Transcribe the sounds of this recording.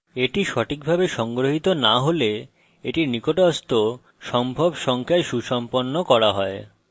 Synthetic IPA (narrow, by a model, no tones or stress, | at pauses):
eʈiʃɔʈʰik̚bʱabeʃɔŋɡɾoɦit̪onaɦole | eʈiɾnikoʈɔst̪o | ʃɔmbʱobʃɔŋkʰaeʃuʃɔmponːokɔɾaɦɔe